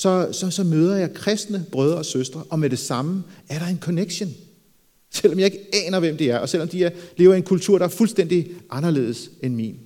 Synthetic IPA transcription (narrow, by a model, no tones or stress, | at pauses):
sɒ̽sɒ̽sɒ̽møːð̞ˠɐjɑ̈ɪkʰʁɛsd̥nəb̥ʁœð̞ˠɐɒ̽søsd̥ʁɐʔɒ̽meɾ̥e̝sɑ̈məæɐɾɑ̈e̝nkʰɔneɡ̥ɕon | sel̰ɒmjɑ̈e̝ɡ̥əɛːnɐʋemd̥e̝æɐʔɒ̽sel̰ɒ̽md̥ile̝ːʊɐie̝nkʰult͡sʰuɐ̰ɾ̥ɑæɐfulsd̥en̰d̥iʔɑ̈nɐle̝̰ːð̞ˠsenmḭn